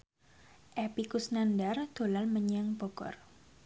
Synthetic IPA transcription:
ʔɛpikusnandard̪̥o̤lalməɲaŋpokɔ̰r

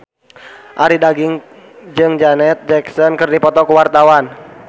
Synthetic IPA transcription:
ʔaɾidaɡiŋ | d͡ʒɨŋd͡ʒanɛt̪̚d͡ʒɛksɔnkɨrdipɔt̪ɔkuwart̪awan

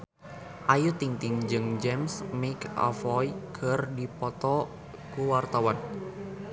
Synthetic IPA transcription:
ʔajut̪iŋt̪ɪŋd͡ʒɨŋd͡ʒɛmsmika̰fɔjkʰɨrdipɔt̪ɔ | kuwart̪awan

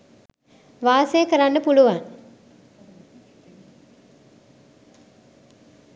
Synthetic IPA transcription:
ʋaːsəjəkəɾanːəpuluʋaŋ

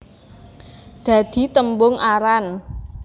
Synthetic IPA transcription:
d̪̥a̤d̪̥i̤t̪əmbʊŋʔaɾan

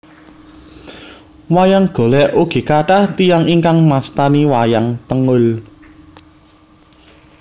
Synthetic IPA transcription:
wajaŋɡ̥o̤lɛʔuɡ̥i̤kaʈaht̪ijaŋiŋkaŋmast̪aniwajaŋt̪əŋʊl

